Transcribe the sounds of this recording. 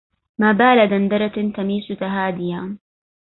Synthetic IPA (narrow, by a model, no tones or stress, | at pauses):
maːbaːlad̪and̪ɑɾˤɑt̪t̪amiːsʊt̪aɦaːd̪ɪjaː